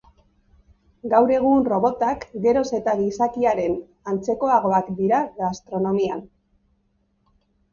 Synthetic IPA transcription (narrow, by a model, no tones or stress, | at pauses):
ɡawɾe̞ɣ̞unro̞βo̞t̪akɡe̞ɾo̞se̞t̪aɣisakiaɾe̞n | ant͡se̞ko̞aɣ̞o̞akd̪iɾaɣast̪ɾo̞no̞mian